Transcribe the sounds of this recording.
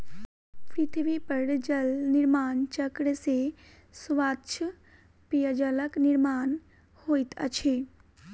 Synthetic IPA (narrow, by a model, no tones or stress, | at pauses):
pʰɾit̪ʰiʋipəɾd͡ʒəlniɾmaːnt͡ʃəkɽəse | suʋaːt̪t͡ʃʰ | pijəd͡ʒələkniɾmaːn | hoːit̪ə̰t͡ʃʰeː